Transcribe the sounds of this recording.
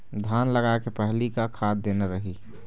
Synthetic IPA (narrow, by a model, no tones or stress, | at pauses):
d̪ʱaːnləɡaekepɛɦlikakʰaːd̪̚d̪eːneɾəɦi